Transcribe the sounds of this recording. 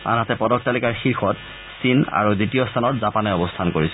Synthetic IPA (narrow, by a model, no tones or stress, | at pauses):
a̰nɦatɛpɔdɔk̚talikaɹxiɹxɔt | sina̰ɹuditijɔstʰanɔtzapanɛɔbɔstʰankoɹisɔ